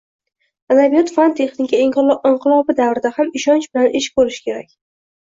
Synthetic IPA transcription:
anabijɒt̪fant̪ʰe̞χnɪkʲaɪɴqɨlˠɒbɪd̪avɾɪd̪ahamɪʃɒnt͡ʃbɪlanʔeʃɪ̥k̚bolɪʃkʲʰe̞ɾakʲ

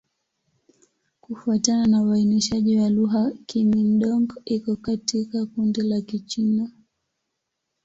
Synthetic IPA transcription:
kufuatananawainiʃaʄiwaluɦakimim̩ɗɔŋɡɔikɔkatikakundilakit͡ʃina

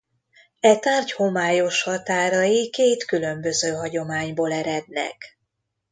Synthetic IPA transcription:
ɛt̪aːrcho̞maːjo̞ʃhɒt̪aːɾɒjikeːt̪kylø̞mbø̞zøːɦɒɟo̞maːɲboːlɛɾɛd̪nɛ̰k

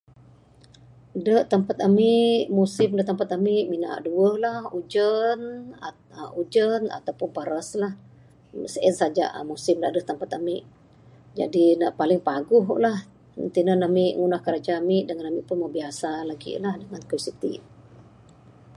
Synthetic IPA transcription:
dəʔt̪əmpat̪̚amɪʔmusɪmdət̪əmpat̪amɪʔmina̰ʔduəhlahud͡ʒəna | ud͡ʒəna̰t̪awpʊnpaɾəslah | səʔənsad͡ʒa̰ʔmusɪmdaʔdəht̪əmpat̪amɪʔ | d͡ʒa̰dinaʔpalɪŋpaɡʊɦʔlah | nt̪inənamɪʔŋunahkəɾad͡ʒaːmɪʔdəŋanamiʔpʊnməbiasalaɡḭlahdəŋankɾisit̪ḭ

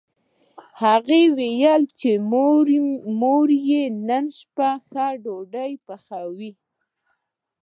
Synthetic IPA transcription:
haɣewejalt͡ʃe | moɾjenənʃpaxaɖoɖajpəxawi

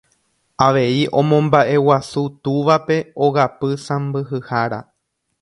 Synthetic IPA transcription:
aʋe̞iʔõ̞mõ̞mbaʔe̞wasut̪uʋape̞o̞ɣapɨsãmbɨɦɨhaɾa̰

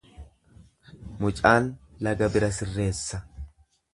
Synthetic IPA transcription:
mʊt͡ʃʼaːnlɐɡɐbɪɾɐsɪrːe̞ːsːɐ

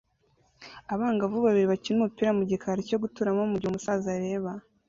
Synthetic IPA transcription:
aβaːŋɡavuβaβiɾiβacinumupiːɾamuɟikʰaɾeco̞ɡutuɾamomuɾɟihumusaːzaɾe̞ːβa

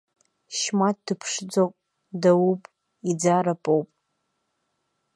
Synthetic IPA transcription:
ʃmat̚dɨpʰʂd͡zoqʷʼ | dawupʼ | id͡zaɾapʼowpʼ

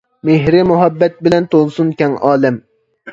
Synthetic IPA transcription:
meɦɾɪmʊɦɑbːɛt̪̚bɪlɛnt̪ʰolˠsunkʲɛŋɑːlˠɪm

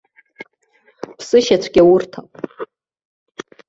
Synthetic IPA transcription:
pʰsɨʃat͡ɕʷʰɡ̥ʲawurtʰa

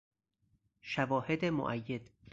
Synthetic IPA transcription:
ʃævɒːhed̪emo̰ʔæjːed̪̥

